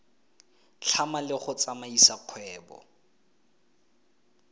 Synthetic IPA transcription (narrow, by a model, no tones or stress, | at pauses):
t͡ɬʰamalɪχʊt͡samaisaq͡χʰwɛːbɔ̰